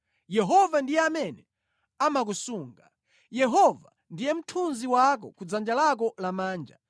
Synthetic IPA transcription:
jɛɦɔvandijɛamɛnɛ | amak̬usuːŋɡa | jɛɦɔva | ndijɛm̩tʰunziwak̬ɔ̰kud͡zand͡ʒalak̬ɔlamaːnd͡ʒa

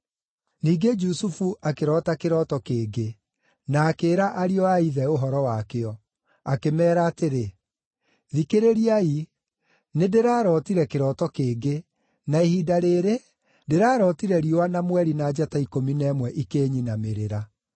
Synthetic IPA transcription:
niːɡed͡ʒusufuʔakeɾɔtakeɾɔtɔkeːɡe | naːkeːɾaʔaɾiɔaiðɛoɦɔɾɔwakeɔ | akemɛːɾaːteɾe | ðikeɾeɾiai | nedeɾaːɾɔːtiɾɛkeɾɔːtɔkeːɡe | naehiːdaɾeːɾe | deɾaːɾɔtiɾɛɾiwanamwɛɾinad͡ʒataikominɛːmwɛʔikeːɲinameɾeɾa

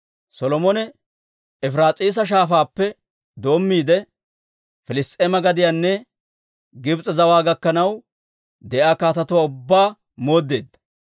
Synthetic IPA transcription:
sɔlɔmɔnɛ | ɛfɾaːt͡sʼiːs̬ɐʃ̬aːfaːpːɛ | d̪o̞ːmːiːd̪ɛ | fɪlɪst̪ʼeːmɐɡɐd̪ɪjaːnːɛ | ɡɪbt͡sʼɐzɐwaːɡɐkːɐnɐw | d̪ɛʔaːkaːt̪ɐt̪ʊwaːʊbːaː | moːd̪ːe̞ːd̪ːɐ̥

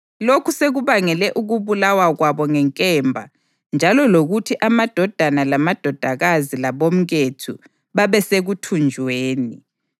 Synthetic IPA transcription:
lokʰuseɣuβaŋɛlɛʔuɣuβulawaɣwaβɔŋɛŋkʼɛːmbʱa | nd͡ʒʱalɔloɣutʰiʔamad̥ʱɔd̥ʱanalamad̥ʱɔd̥ʱaɣazilaβom̩ɣetʰṵ | βaβɛseɣutʰund͡ʒʱweːni

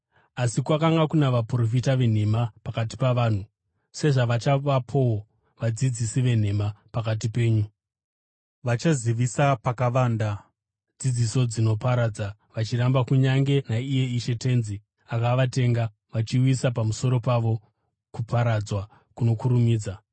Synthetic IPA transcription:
asikwakaŋɡakunaʋapro̞fitaʋe̞n̤e̞mapakati̥paʋaːn̤u | se̞ʐaʋat͡ʃaʋapʰo̞w | ʋad͡zid͡zisiʋe̞n̤e̞mapakat̬ipe̞ːɲu | ʋat͡ʃaziʋisapakaʋaːnda | d͡zid͡ziso̞d͡zino̞paɾad͡za | ʋat͡ʃiɾambakuɲaŋɡe̞naije̞iʃe̞te̞nzi | akaʋate̞ŋɡa | ʋat͡ʃiwisapamuso̞ɾo̞paʋo̞ | kupʰaɾad͡zwa | kuno̞kuɾumiːd͡za

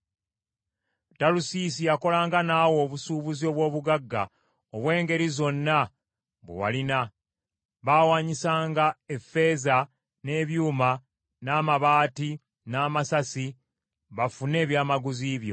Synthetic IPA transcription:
talusis̬ijako̞laːŋɡanaːwo̞ːβusuːβuzio̞ːβwo̞ːβuɡaɡːa | oβwe̞ːŋɡe̞ɾizo̞nːa | βwḛwa̰lina | βaːwaːɲisaːŋɡae̞fe̞ːza | ne̞βjuːma | naːmaβaːti | naːmasasi | βafune̞ːβjaːmaɡuziːβjo̞̰

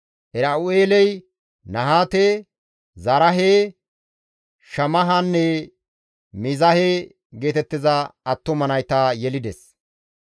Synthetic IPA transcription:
ʔɛɾɐʊeːlɛj | nɐɦaːt̪eː | zɐɾɐɦeː | ʃɐmɐɦanːɛ | mɪzɐheː | ɡe̞ːt̪ɛt̪ːɪzɐɐt̪ːɔmɐnɐjt̪aːjɛlɪd̪ɛs

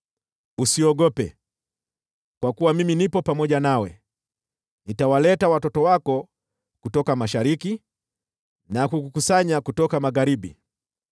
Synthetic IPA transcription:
usiɔɠɔpɛ̰ | kwakuwamiminipɔpamɔʄanawɛ | nitawalɛtawatɔtɔwakɔ | kutɔkamaʃaɾiki | nakukukusaɲakutɔkamaɣaɾiɓi

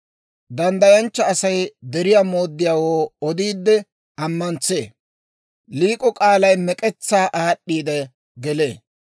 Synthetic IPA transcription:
d̪ɐnd̪ɐjɐnt͡ʃːɐːsɐjd̪ɛɾɪjaːmo̞ːd̪ːɪjaːwoːɔd̪iːd̪ːɛ | ɐmːɐnt͡sḛː | liːkʼɔkʼaːlɐjmɛkʼɛt͡sːaːʔaːɗːiːd̪ɛ | ɡɛle̞̰ː

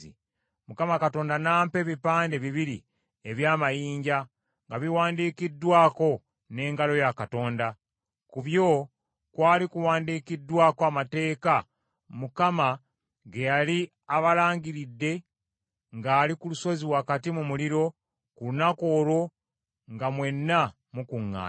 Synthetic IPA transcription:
i | mukamakato̞ːndanaːmpe̞βipaːnde̞βiβiɾi | eβjaːmajiːɲɟa | ŋɡaβiwaːndiːkidːwaːko̞ | ne̞ːŋɡalo̞jakato̞ːnda | kuβjo̞ | kwaːlikuwaːndiːkidwaːkoamate̞ːka | mukama | ɡe̞jali | aβalaːɲɟiɾidːe̞ | ŋɡaːlikuluso̞ziwakatimumuliɾo̞ | kulunako̞ːlo̞ | ŋɡamwe̞nːa | mukuŋːa̰ː

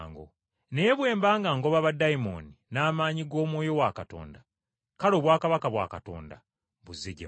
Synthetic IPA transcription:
ŋɡo̰ | nejeβwe̞ːmbaːŋɡaːŋɡo̞βaβadaimoninaːmaːɲiɡo̞ːmwo̞ːjo̞wakato̞̰ːnda | kaɾo̞ːβwaːkaβakaβwa̰ːkato̞̰ːnda | βuzeɟe

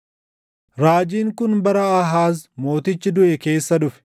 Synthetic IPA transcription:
ɾaːd͡ʒiːŋkʊnbɐɾɐɐɦaːsmo̞ːt̪ɪt͡ʃːɪd̪ʊʔɛke̞ːsːɐᶑʊfɛ̥

